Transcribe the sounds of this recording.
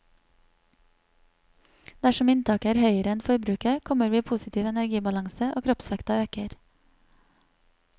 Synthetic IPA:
d̪æʃɔmɪnt̪ʰɑːkæːɾhœʏəɾəɛnfɔɾbɾʉːkəkʰɔməɾʋiːpʰusɪt̪ʰiːʋɛnæɾɡiːbɑlɑŋsəʔo̰ːkʰɾɔpsʋɛkt̪ɑøːkəɾ

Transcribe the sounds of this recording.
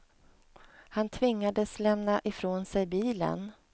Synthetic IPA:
hant̪ʰvɪŋːad̪əslɛmnaʔɪfɾoːnsɛjbiːlə̰n

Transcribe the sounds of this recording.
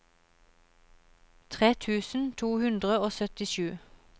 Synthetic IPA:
t̪ʰʁeːt̪ʰʉːsn̩t̪ʰuːhʉnd̪ʁəoːsœt̪ɪʃʉː

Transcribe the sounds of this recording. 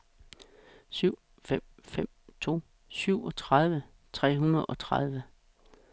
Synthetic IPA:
syʊ̰ | fem̰fem̰t͡sʰo̝̰ː | syʊ̰ɒ̽t͡sʰʁað̞ˠʋə | t͡sʰʁɛ̰ːɦunɐð̩ˠɒ̽t͡sʰʁað̞ˠʋə

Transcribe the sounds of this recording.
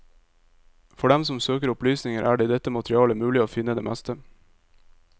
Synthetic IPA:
fɔɖɛmsɔmsøːkəɾʊplyːsnɪŋəɾʔæ̰ːɖeːd̪ɛt̪ːəmɑt̪ʰɾɪɑːləmʉːlɪoːfɪnːəd̪eːmæst̪ə

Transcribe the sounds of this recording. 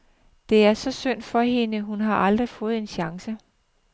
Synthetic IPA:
d̥e̝æɐsɒ̽søn̰d̥fɒ̽ɦe̝nəɦunɦɑ̈ʔɑ̈ld̥ʁifɔ̽ːð̞̩ˠe̝nɕɑ̈ŋsə

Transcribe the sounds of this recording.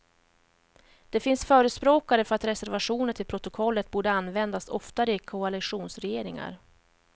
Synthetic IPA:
d̪̥ɛfɪnsfœːɾəspɾoːkaɾəfœɾat̪ɾɛsæɾvaʂuːnəʈʰɪlpʰɾʊt̪ʊkʰɔlːət̪̚buːɖəanːvɛnd̪asɔft̪aɾəɪkʰʊalɪɧuːnsɾɛjeːɾɪŋa̰ɾ

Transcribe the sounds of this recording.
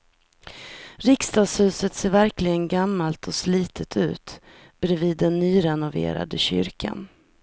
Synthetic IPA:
ɾɪkst̪ɑːɡshʉ̟ːsət̪seːɾvæɾklɪɡənɡamːalt̪ʰɔsliːt̪ʰət̪ʰʉ̟̰ːt̪ | b̥ɛɾɛviːd̪ːɛnːyːɾɛnʊvḛːɾa̰d̪əɕʏ̰ɾkʰa̰n

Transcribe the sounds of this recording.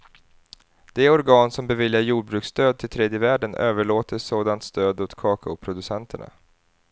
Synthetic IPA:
d̪̥ɛɔɾɡɑːnsɔmbɛvɪljaɾjuːɖ̚bɾʉ̟ːkst̪øːd̪̚t̪ʰɪlt̪ʰɾɛːd̪jəvæːɖənøːvəɭoːt̪əsoːd̪ant̪st̪øːd̪ʊt̪kʰɑːkaʊpʰɾʊd̪ɵsɛnt̪ʰəɳa̰

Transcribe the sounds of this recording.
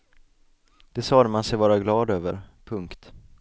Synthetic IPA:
d̪̥ɛsɑːd̪mansɛjvɑːɾaɡlɑːd̪øːvə̰ɾpʰɵŋkt̪

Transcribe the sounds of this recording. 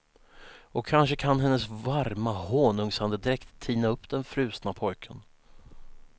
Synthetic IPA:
ɔkʰːanʂəkʰanɦɛnːəsvaɾmahoːnɵŋsand̪əd̪ɪɾɛkt̪ʰːiːnaɵpːd̪̥ɛnfɾʉ̟ːsnapʰɔjkʰən

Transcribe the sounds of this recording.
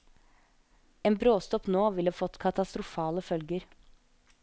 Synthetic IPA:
eːnbɾoːst̪ɔpnoːʋɪləhɑːfɔt̪ːkʰɑt̪ɑst̪ɾʊfɑːləfœlɡəɾ

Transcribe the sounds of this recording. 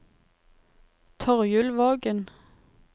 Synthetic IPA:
t̪ʰɔʁjʉlʋɑːɡən

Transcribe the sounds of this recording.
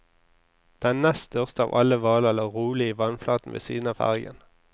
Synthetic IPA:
d̪̥ɛænnɛst̪œʁst̪əɑ̰ːʋʔɑləʋɑːləɛləʁuːlɪiːʋɑnflɑːt̪n̩ʋḛːsḭːd̪n̩ɑːfæ̰ʁɡə̰n

